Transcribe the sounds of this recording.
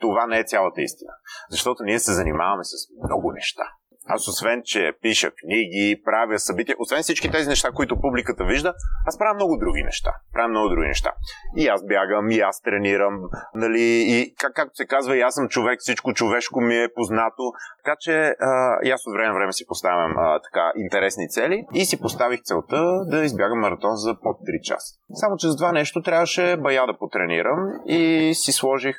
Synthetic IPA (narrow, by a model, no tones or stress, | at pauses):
t̪ovanɛɛt̪sʲalˠət̪əḭst̪inəzɐʃt̪ɔt̪oniɛsɛzɐnima̰vɐmɛsəsmmnɔ̰ɡʊnɛʃt̪a̰ | a̰sosvɛnt͡ʃɛ̰piʃə̰kniɡipɾavjəsɐbit̪iɛʔosvɛnfsit͡ʃkit̪ɛzinɛʃt̪akoit̪ʊpublikət̪əviʒd̪əaspɾavʲjəmnɔɡʊd̪ɾuɡ̟ḭnɛ̰ʃt̪a̰pɾavjəmnɔɡʊd̪ɾuɡʲḭnɛ̰ʃt̪a̰iazbjaɡəmiast̪ɾɛniɾəmnɐliːkakːak̚t̪o̥sɛkazvɐiasəmt͡ʃovɛkfsit͡ʃkot͡ʃovɛʃkomiɛpoznat̪ot̪ɐ̥kat͡ʃɛəjasot̪vɾɛmɛnvɾɛmɛsi̥post̪avʲɐ̰mət̪ɐ̥ka̰ʔint̪ɛɾɛsnit̪sɛliisipost̪avixt̪sɛlˠt̪əd̪ɐizbʲjaɡəmːɐɾɐt̪ɔnzɐpot̪ːɾit͡ʃa̰sə̥samot͡ʃɛzɐt̪ovanɛʃt̪ot̪ɾʲjavəʃɛbɐjad̪ɐpot̪ɾɛnḭɾʔəmisislˠɔʒix